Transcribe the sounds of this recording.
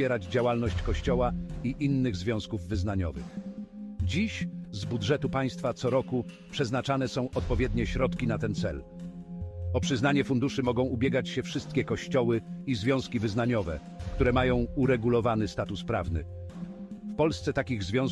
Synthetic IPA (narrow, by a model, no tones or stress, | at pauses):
ɛɾad͡ʑd͡ʑawalnɔɕt͡ɕkɔɕt͡ɕɔwaiʔinːɘɣzvʲjɔ̃w̃skuvːɘznaɲɔ̰vɘ̰x | d͡ʑiɕzbudʐɛt̪upaj̃st̪fat̪sɔɾɔku | pʂɛznat͡ʂanɛsɔ̃w̃ʔɔt̪̚pɔvʲjɛd̪ɲɛɕɾɔt̪kʲinat̪ɛnt̪sɛ̰l | ɔpʂɘznaɲɛfund̪uʂɘmɔɡɔ̃w̃ubʲjɛɡat͡ɕɕɛfʂɘst̪̚kʲɛkɔɕt͡ɕɔwɘizvʲjɔ̃w̃skʲivɘznaɲɔvɛ̰ | kt̪uɾɛmajɔ̃w̃uɾɛɡulɔvanɘst̪at̪uspɾa̰vnɘ̰ | fpɔlst̪sɛt̪akʲiɣzvʲjɔ̃w̃s